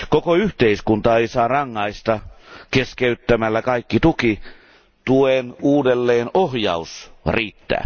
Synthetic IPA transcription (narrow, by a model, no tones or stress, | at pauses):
kokoyht̪eiskunt̪ɑeisɑːrɑŋːɑist̪ɑkeskeyt̪ːæmælːækɑikːit̪uki | t̪uenuːdelːeːnohjɑ̰usriːt̪ːæ̰ː